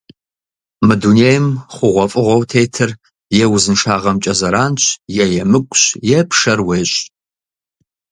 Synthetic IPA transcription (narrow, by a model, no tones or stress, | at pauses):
mɨdunejɪmχʷʊʁʷɔfʼɨʁʷɐwtʰeːjtʰɨr | jɛwzɨnʂaːʁɐmt͡ʃʼɐzɐɾaːnɕʰjɛjɛmɨkʷʼɕjɛpʰʂɐrweːɕʼ